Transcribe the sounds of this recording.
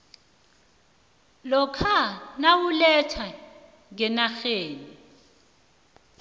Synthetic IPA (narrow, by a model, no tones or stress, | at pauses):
lɔkʰanawulɛtʰwa | ŋɛnaxeːni